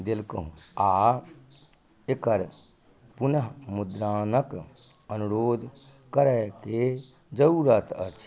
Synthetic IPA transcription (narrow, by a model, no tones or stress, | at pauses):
d̪elkəɦũa | ekəɾ | pʊnəɦmʊd̪ɾaːnək | ənuɾoːd̪ʱ | kəɾɛke | d͡ʒəuɾət̪ʰət͡ʃʰ